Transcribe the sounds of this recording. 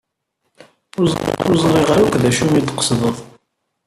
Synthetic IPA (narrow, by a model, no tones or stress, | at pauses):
ʊz̰ʊzˤɾˤiʁaɾukʷðæʃumit̪ːqə̥sðˤəðˤ